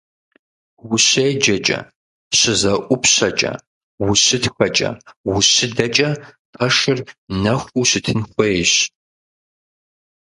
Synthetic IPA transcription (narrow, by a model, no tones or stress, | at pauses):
wʊɕeːd͡ʒɐt͡ʃʼɐ̰ | ɕɪzɐʔʷʊpʰɕɐt͡ʃʼɐ̰ | wʊɕɨtxɐt͡ʃʼɐ̰wʊɕɪdɐt͡ʃʼɐ | pʰɐʂɨrnɐxʷuːɕɨtʰɨnxʷeɕ